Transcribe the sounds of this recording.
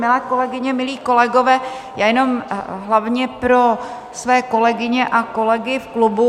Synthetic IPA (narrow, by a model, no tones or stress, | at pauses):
mɪlɛːko̞lɛɡɪɲɛmɪliːko̞lɛɡovɛː | jaːjɛno̞mɦlavɲɛpɾo̞ | svɛːko̞lɛɡɪɲɛʔako̞lɛɡɪfklubu